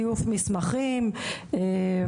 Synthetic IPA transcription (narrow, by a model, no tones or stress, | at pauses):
ijufmismaχime